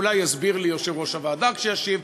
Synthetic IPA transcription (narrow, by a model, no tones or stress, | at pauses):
lajhazbiʁlijoʃivʁoʃavaːd̪akʃejaʃiv